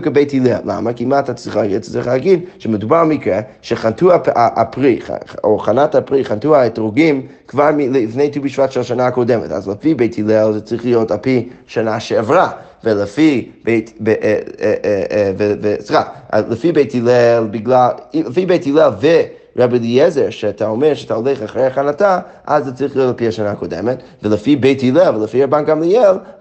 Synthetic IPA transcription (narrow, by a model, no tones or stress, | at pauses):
kəbeɪtilɛlːa̰makimatat͡sʁiχlaɡit͡st͡siχlˠaɡidʃɛmədubaɾmikɾɛʃɛχantuaaʔapʁiχoχanathapʁiχantuaɛtʁoɡim | kvaɾmilfneɪtubiʃvatʃɛlʃanakodɛmɛ̰ta̰zləfibeɪtʰilɛlˠzɛt͡sʁiχlˠijothalpiʃanaʃɛːvɾa | vələfibeɪteʔ | vevesiʁa̰a̰ləfibeɪtilɛlˠbiɡlˠaliləfibeɪtilɛlˠvɪ | ɾabilˠiɛzɛɾʃɛatʰaomɛɾʃatʰaolɛχaχɾejaχanataʔazːɛt͡sʁiχlˠijotalˠpihaʃanakodɛ̰mɛt | vələfibeɪtilɛlˠvələfiɾabanɡamliɛlˠ